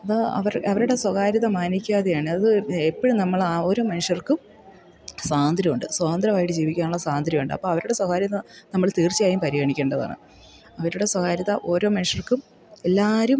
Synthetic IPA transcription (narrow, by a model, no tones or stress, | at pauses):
ɐðɨɐ̰ʋɐrɐʋɐɾuɽe̞swɐɣaːɾiðɐmaːnikʲːaːðejaːɳɨɐðɨepːɐɽumnɐmːɐɭao̞ːɾo̞ːmɐnuʂɐrkɨm | saːnd̪ɾimuɳɖɨswɐːðɐnd̪ɾɐmaːjiʈːɨd͡ʑiːʋikʲːaːnuɭːɐsaːnd̪ɾimuɳɖɨɐ̰pːoːɐʋɐɾuɽe̞swɐɣaːɾiðɐnɐmːɐɭt̪iːrt͡ɕːijaːjumpɐɾiɣɐɳikʲːeːɳɖɐða̰ːɳɨ̰ | ɐʋɐɾuɽe̞swɐɣaːɾiðɐʔo̞ːɾo̞ːmɐnuʂɐrkum | e̞lːaːɾum